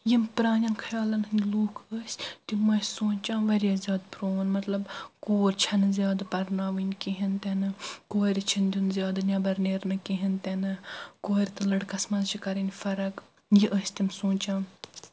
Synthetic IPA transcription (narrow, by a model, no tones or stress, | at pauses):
jimpɾaːnʲɐnkʰɐjaːlɐnɨnʲluːkʰəːsʲt̪imɐsʲsõːt͡ʃãːnʋɐɾʲjaːzʲjaːd̪pɾoːnmɐt̪lɐbkoːɾʲt͡ʃʰɐnɨzʲjaːd̪pɐɾnaːʋinʲkiɦint̪enɨkoːɾʲit͡ʃʰind̪ʲunzʲjaːd̪nʲɐbɐɾneːɾnɨkiɦint̪enɨkoːɾʲit̪ɨlɐɽkɐsmɐzt͡ʃʰikɐɾinʲfɐɾɐk | jiʔəːsʲt̪ʲimsõːnt͡ʃãːn